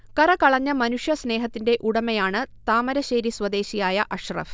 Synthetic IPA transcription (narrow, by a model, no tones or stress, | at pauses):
kɐrɐkɐɭɐɲːɐmɐnuʂjɐsne̞ːɦɐt̪ːinde̞ʔuɽɐmɐjaːɳɨt̪aːmɐɾɐɕeːɾiswɐd̪e̞ːɕijaːjɐʔɐɕrɐ̰f